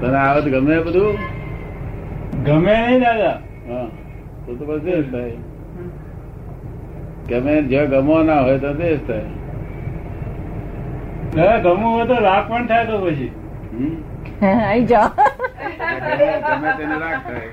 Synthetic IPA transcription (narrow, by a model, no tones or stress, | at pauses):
t̪əneaːʋət̪ɡəmẽbəd̪ʱuː | ɡəmenəĩːd̪aːaː | ɦã | t̪ot̪obəsd̪est̪ʰaːe | ɡəmẽd͡ʒəɡəmõːnaɦoːet̪od̪eːst̪ʰaːe | ɡəɡəmõɦoet̪oɾaːk̚pəɳt̪ʰaːet̪oːpət͡ʃʰiː | ɦ | ĩd͡ʒa | eəmẽt̪eːneɾaːɡ̚t̪ʰaːe